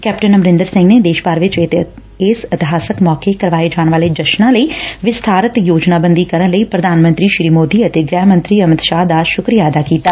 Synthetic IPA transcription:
kɛːpʈənəmɾɪ̃nd̪əɾsɪ̃ŋɡneːd̪eːʃbaːɾʋɪt͡ʃ̪ | ɪsɪt̪ɪɦaːsəkmɔːkeːkəɾʋaːeːd͡ʒaːɳ̃ʋaːleːd͡ʒəʃnãːləiːʋɪst̪ʰaːɾət̪joːd͡ʒnaːbənd̪iːkəɾənləiːpɾəd̪aːnmə̃nt̪ɾiːʃɾiːmoːd̪iːət̪eːɡɾɛːɦmə̃nt̪ɾiːəməd̪ʃaːɦd̪aːʃʊkɾijaːəd̪aːkiːt̪aː

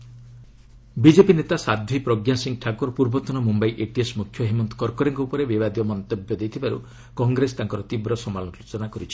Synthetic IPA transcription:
bid͡ʒepinet̪asad̪ʱʋipɾɔɡjasiŋʈʰakoɾpuɾbɔt̪ɔnɔmumbajʔeʈiesmukʰːjɔɦimɔnt̪ɔ̥kɔɾkɔɾeŋkuupɔɾebibad̪jɔmɔnt̪objɔd̪ejt̪ʰibaɾṵ | kɔŋɡɾest̪aŋkɔɾɔt̪ibɾɔsɔmalɔnɔsut͡ʃɔnakɔɾit͡ʃʰi̥

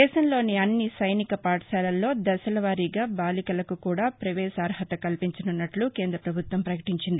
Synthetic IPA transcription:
ɛːʃɐmlo̞ːniɐnːisɐjnikɐpaːʈɐʃaːlɐlːo̞ːd̪ɐsɐlɐʋaːɾiːɡaːbaːlikɐlɐkukuːɽaːpɾɐʋɛːsaːɾɦɐt̪ɐkɐlpiɲt͡ʃɐnunːɐʈlukeːnd̪ɾɐpɾɐbʱut̪ʋɐmpɾɐkɐʈiɲt͡ʃind̪i

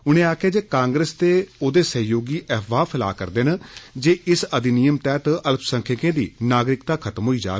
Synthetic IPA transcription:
ʊnẽːaːkʰeːd͡ʒeːkãːŋɡɾəst̪eːoːd̪eːsəjoːɡiːʔɛːʋaːpʰɪla̰ːkə̰ɾd̪eːnəd͡ʒeːʔɪsəd̪inijəmt̪ɛːt̪ələpʰsəŋkʰɪkẽːd̪iːnaːɡɾɪkt̪aːkʰət̪mɦoːiːd͡ʒa̰ː

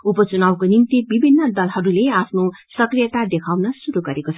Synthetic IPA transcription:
upʌt͡sunawkonimt̪ibibʱinːʌd̪ʌlɦʌɾuleapʰno | sʌkrijʌt̪ad̪ekʰawnʌsuɾuɡʌɾekot͡sʰ

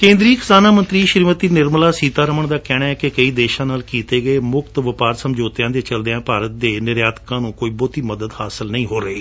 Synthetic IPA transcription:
kẽːnd̪ɾiːkɪ̥saːnaːmə̃nt̪ɾiːʃɾiːmət̪iːnɪɾmlaːsiːt̪aːɾəməɳd̪aːkɛ̃ːaːɛːkɪkəiːd̪eːʃãːnaːlkiːt̪eːɡəeːmʊkt̪ʋəpaːɾsəmd͡ʒoːt̪ɪjãːd̪eːt͡ʃəld̪ɪjãːpaːɾət̪̚d̪eːnɪɾjaːd̪kãːnũːkoːiːboːt̪iːməd̪əd̪haːsɪlnəĩːɦoːɾəiː

